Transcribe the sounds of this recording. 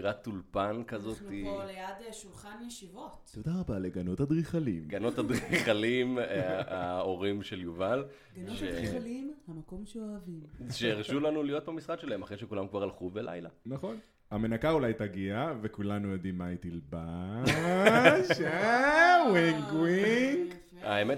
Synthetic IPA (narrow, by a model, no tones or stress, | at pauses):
ʁat̪ːulpankazo̞t̪ilejadʃulχanjeʃivottod̪aʁabaleɡanothad̪ʁiχalimɡanot̪had̪ʁiχalimaoʁimʃeljuval | ʃelimhamako̞mʃeoavimʃeeʁʃulanulijo̞t̪̚bamisʁakʃelahemaχʁeʃekulamkvaʁalχuvbelʔa̰jlanaχo̞n | hame̞nakaulajtaɡiave̞kulanujodimːait̪ilba | ʃe | wiŋɡwiŋɡ | aeme